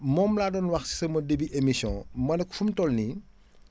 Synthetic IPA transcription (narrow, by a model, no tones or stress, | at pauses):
mɔːmlaːdɔːnwɐxsi̥sɐmɐdebiʔemisjɔ̰̃mɐnɐkfumtɔlni